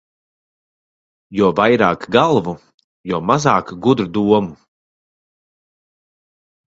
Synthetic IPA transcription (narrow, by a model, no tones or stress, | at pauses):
jɔvajɾaːkɡalˠvu | jɔːmazaːkɡud̪ɾud̪uɔmu